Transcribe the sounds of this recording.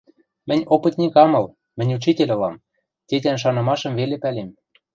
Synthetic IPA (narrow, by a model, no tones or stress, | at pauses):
mɘ̆nʲopɤ̆t̪ʲnʲikɑmɤ̆l | mɘ̆nʲut͡ʃitʲelʲɤ̆lɑm | t̪ʲet̪ʲænʃ̬ɑnɤ̆mɑʃɤ̆mvelepælem